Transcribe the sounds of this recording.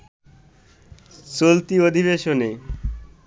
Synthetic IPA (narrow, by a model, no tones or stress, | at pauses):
solt̪iod̪ʱiβeʃone